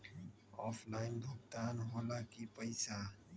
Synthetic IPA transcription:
ɔpʰlaːɪnbʱʊk̚t̪aːnɦoːlakipəɪsa

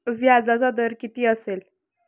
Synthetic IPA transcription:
ʋjad͡zat͡sad̪əɾkit̪iːəsel

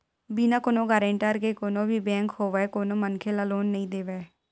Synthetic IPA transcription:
biːnãːkoːnõːɡəɾẽɳʈəɾkeːkoːnõːbʱiːbɛ̃ːŋkhoːʋɛːkoːnõːmənkʰeːlaːloːnːəĩːd̪eːʋeː

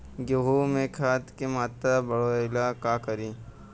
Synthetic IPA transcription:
ɡoɦumẽkʰaːt̪kemaːt̪ɾabɐɽoːɪlakaːkəɾiː

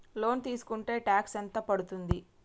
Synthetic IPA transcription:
lo̞ːnt̪iːsu̥kuɳʈe̞ːʈaːksɐnt̪ɐpɐɽut̪und̪i

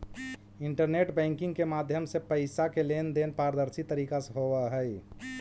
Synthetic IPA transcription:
ɪɳʈəɾneʈbɛ̃ːŋkɪ̃ŋɡkemaːd̪ʱjəmsepəɪsakelend̪enpaːɾəd̪əɾsit̪əɾiːkaseɦowəɦɛj

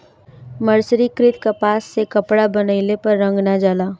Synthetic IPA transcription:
məɾsɾikɾɪt̪kapaːsːekɐpɽabɐnəɪlepɐɾːɐ̃ŋɡnad͡ʒaːlaː

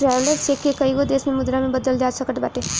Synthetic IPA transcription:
ʈɾɛːʋləɾsekːekəiɡod̪eːsmẽmʊd̪ɾamẽbəd̪əld͡ʒaːd͡ʒsəkəʈbaːʈe

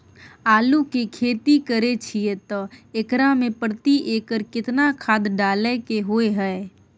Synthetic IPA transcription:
aːlukekʰeːt̪ikəɾet͡ʃʰiet̪ɔekɾamẽpəɾt̪iʔeːkəɾkɪt̪nakʰaːd̪ɖaːlekeɦoeɦɛː

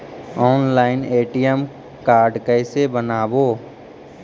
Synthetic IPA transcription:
ɔːnlaːɪneːʈijəm | kaːɾɖkəɪsebənaːboː

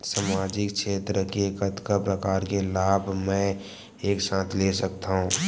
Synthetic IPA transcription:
saːmaːd͡ʒɪkʃʰeːt̪ɾəkekət̪kəpɾəkaːɾkelaːbʱmɛ̃ | eːksãːt̪ʰlesəkt̪aɦũː

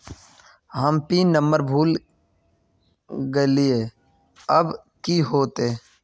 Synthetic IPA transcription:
həmpiːnəmbəɾbʱuːl | ɡəlɪeː | əb | kiɦoːt̪e

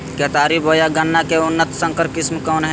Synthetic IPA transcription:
kət̪aːɾiboːjaɡənːakeʊnːət̪sə̃ŋkəɾkɪsmkɔːnɦɛ

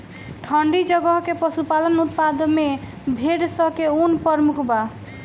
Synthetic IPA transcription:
ʈʰɔɳɖid͡ʒɔɡɔɦkepɔsupalɔnut̪̚pad̪me | bʱeɽsɔkeunpɔɾmukʰba

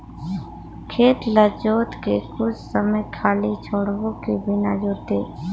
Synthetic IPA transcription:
kʰeːt̪ləd͡ʒoːt̪kekʊt͡ʃsəməjkʰaːlit͡ʃʰoːɽʋõkibɪnad͡ʒoːt̪eː

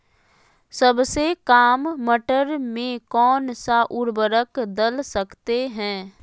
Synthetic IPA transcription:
səbsekaːmːəʈəɾmẽkɔːnsaʔʊɾbəɾəkd̪əlsəkt̪eɦɛ̃ː

